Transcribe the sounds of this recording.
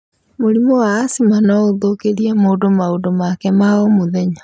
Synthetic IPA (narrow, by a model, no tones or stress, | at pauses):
moɾimɔwaːsimanaoðokeɾiamoːdomaodomakɛmaomoðɛɲa